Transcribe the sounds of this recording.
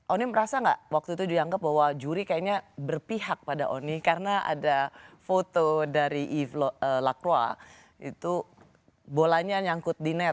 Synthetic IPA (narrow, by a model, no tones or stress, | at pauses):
ʔoniməɾasaŋɡa̰ʔwak̚t̪uit̪ud͡ʒuɡaŋɡap̚baɦwad͡ʒuɾikajaɲabərpiɦak̚pada̰ʔo̰nikarənaʔa̰dafot̪odaɾiʔiflɔəlakɾwa̰ | ḭt̪u | bolaɲaɲaŋkʊt̪̚dinɛ